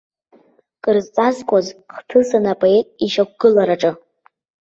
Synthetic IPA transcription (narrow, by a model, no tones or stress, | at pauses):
kʼɨrzt͡sʼazkʷʼazχtʰɨsanapʼoe̞tʼiʃak̚ʷʰʼɡ̥ɨlaɾaʈ͡ʂʼɨ